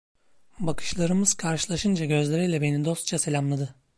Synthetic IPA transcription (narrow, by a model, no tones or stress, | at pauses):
bakʰɯ̥ʃlˠaɾɯmɯz̥kʰaɾʃɯlˠaʃɯnd͡ʒaɟø̞zlʲeɾijlʲɛbenid̪o̞st̪t͡ʃʰase̞lʲamlˠad̪ɯ